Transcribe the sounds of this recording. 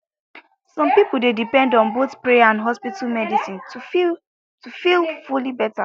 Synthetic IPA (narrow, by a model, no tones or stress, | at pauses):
sɔ̃mpipl̩dedipɛ̃ndɔ̃nboθpɹeaãndɦɔspitʰalmɛdisĩntu | tufilfulibɛta